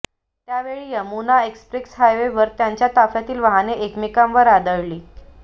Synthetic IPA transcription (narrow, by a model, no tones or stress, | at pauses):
t̪jaʋeɭijəmunaekspɾiksɦajʋeʋəɾt̪jaɲt͡ɕjat̪afjat̪iːlʋəɦaneʔekmikãmʋəɾad̪əɭliː